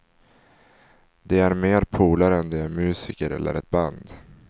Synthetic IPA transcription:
d̪ɛæɾmeːɾpʰuːlaɾɛnd̪ɛæɾmʉ̟ːsɪːkəɾɛ̰lːʔə̰ɾɛt̪̚band̪

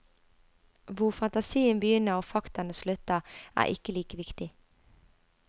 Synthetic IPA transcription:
ʋʊʁfɑnt̪ɑsiːənbəjʏnːəʁoːfɑkt̪ɑnəslʉt̪əæ̰ːʔɪ̰kəliːkəʋɪkt̪ɪ

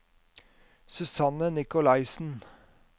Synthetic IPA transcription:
sʉsɑnənɪkʊlɑɪsn̩

